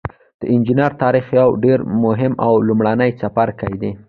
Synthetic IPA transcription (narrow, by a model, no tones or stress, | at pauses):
d̪̥əʔɪnd͡ʒɪnaɾt̪ɑɾixjawɖeɾmʊɦɪmawlumɽanəjt͡sapaɾkajd̪e